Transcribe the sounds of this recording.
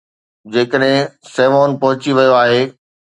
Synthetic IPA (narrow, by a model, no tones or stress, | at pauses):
d͡ʑeːkəɗɦɪ̃sɛːʋoːnpɐɦʊt͡ɕiʋɐjoaːɦeː